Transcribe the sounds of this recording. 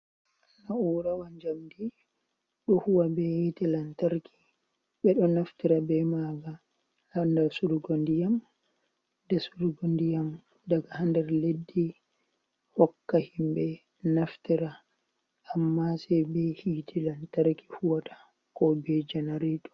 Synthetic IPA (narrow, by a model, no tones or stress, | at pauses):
anauːɾawand͡ʒamdi | ɗɔhuwabɛhitɛlantaɾki̥ | ɓɛɗɔnaftiɾabɛmaɡa | handɛɾsuɾuɡondijam | dɛsuɾɡondijam | daɡahandɛɾledːi | hɔkːahimbɛ | naftiɾa | ʔːmːasɛbɛhitʰilantaɾki̥huwatḁ | kɔbɛd͡ʒɛnaɾiɗɔ̥